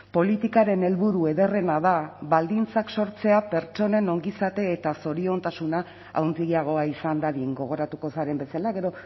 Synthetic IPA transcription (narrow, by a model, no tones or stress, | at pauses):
po̞lit̪ikaɾe̞ne̞lβuɾue̞ðe̞re̞naðaβald̪int͡sakso̞ɾt͡se̞apeɾt͡ʃo̞ne̞no̞ŋɡisat̪e̞ːt̪aso̞ɾio̞nt̪asuna | a̰wnd̪iɣiaɣ̞o̞aisand̪aɾieŋɡo̞ɣ̞o̞ɾat̪uko̞saɾe̞mbe̞salaɣe̞ɾo̞